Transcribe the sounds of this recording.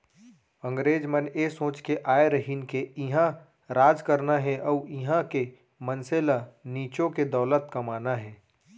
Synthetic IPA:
ə̃ŋɡɾeːd͡ʒmənesõːt͡ʃkeʔaːeɾəɦinkeɪɦã | ɾaːd͡ʒkəɾnaɦɛʔɔʊɪɦãke | mənselaniːt͡ʃõked̪əʊlət̪kɐmaːnaɦɛː

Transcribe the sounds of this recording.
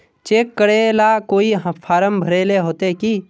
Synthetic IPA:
t͡ʃeːkːəɽelakoːiɦpʰaːɾəmbʱəɾeːleɦoːt̪eki

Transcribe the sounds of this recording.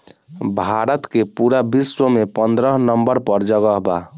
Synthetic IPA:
bʱaɾət̪kepuɾabiswəmepənd̪ɾəɦnəmbəɾpəɾd͡ʒəɡəɦba̰

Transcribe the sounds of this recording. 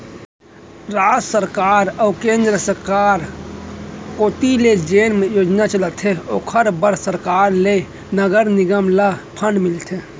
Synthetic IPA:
ɾasəɾkaɾəukẽnd̪ɾəsəɾkaɾ | koːt̪iled͡ʒenmejod͡ʒnat͡ʃələt̪ʰeokʰəɾbəɾsəɾkaɾle | nəɡəɾniɡəmlapʰənmilt̪ʰe

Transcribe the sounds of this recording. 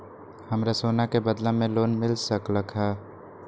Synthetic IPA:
həmɾasoːnakebəd̪lãmẽloːnmɪlsəkləkʰɦaː

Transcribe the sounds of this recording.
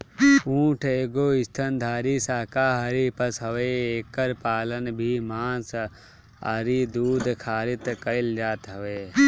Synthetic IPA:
ũːʈʰeːɡoːɪst̪ʰənd̪ʱaːɾiːsaːkaːɦɐɾiːpɐsɦɐʋeːeːkəɾpaːlənbʱiːmaːns | a̰ɾiːd̪uːd̪kʰaːɾɪt̪kəɪld͡ʒaːt̪ɦɐʋeː

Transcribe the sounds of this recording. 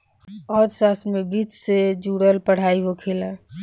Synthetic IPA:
ɔːd̪saːsmẽbiːt͡ʃsed͡ʒuːɽəlpəɽ̤aːiɦokʰeːla

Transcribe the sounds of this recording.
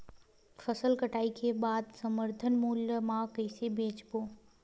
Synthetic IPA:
fʰəsəlkəʈaːikebaːd̪səməɾt̪ʰənmuːləmãkɛːsebeːt͡ʃboː

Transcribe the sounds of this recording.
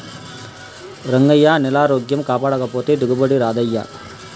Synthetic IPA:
ɾɐŋɡɐjːaːnɛlaːɾoːɡjɐmkaːpaːɽɐkɐpoːt̪id̪ʱuɡubɐɽiɾaːd̪ɐjːa̰ː

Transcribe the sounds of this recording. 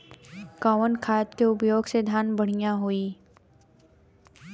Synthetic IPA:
kaːʋənkʰaːt̪keʊpjoːɡsed̪ʱaːnbəɽ̤ijaɦoiː

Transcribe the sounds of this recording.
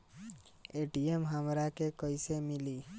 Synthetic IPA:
eːʈiemɦəmɾakekəisemɪli

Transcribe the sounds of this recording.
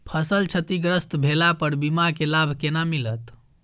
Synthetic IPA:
pʰəsəlt͡ʃʰət̪iɡɾəst̪bʱelapəɾbimakelabʱkenamilət̪

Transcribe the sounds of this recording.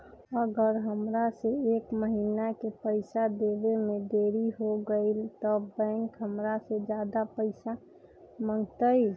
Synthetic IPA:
əɡəɾɦəmɾaseeːkməɦiːnakepəɪsad̪eʋemẽd̪eːɾiɦoɡəɪlt̪ɔbɛ̃ŋkɦəmɾased͡ʒjaːd̪apəɪsa | mə̃ŋɡt̪əi

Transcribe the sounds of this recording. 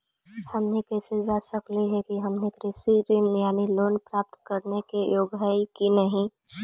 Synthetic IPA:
həmnikɛsed͡ʒasəkliɦɛkiɦəmnikɾɪsiɾɪnjaːniloːnpɾaːp̚t̪kəɾnekejoːɡɦaikinəɦĩ

